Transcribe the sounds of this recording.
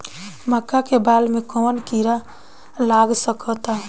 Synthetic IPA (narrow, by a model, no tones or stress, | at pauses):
məkːakebalmekɔːnkiɾa | laɡsəkət̪a